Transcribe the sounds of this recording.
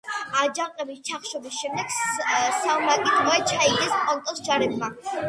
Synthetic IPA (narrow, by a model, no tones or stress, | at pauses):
ad͡ʒaŋqʼɛbist͡ʃʰaχʃɔbisʃɛmd̪ɛɡ̥samakʼid̪mɔɛt͡ʃʰaiɡɛskʼɔlˠt̪ʼɔsd͡ʒaɾɛbma